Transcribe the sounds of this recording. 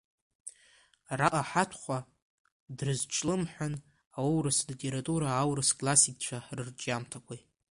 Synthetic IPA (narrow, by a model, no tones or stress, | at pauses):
raʔaħatʷʰχʷa | drɨzt͡ʃʰʼlɨmħʷᶣan | aowɾɨslitʼe̞ɾatʼuɾaːwrɨskʼlasikʼt͡ʃʷʰarɨrd͡ʒʼamtʰakʷʰaj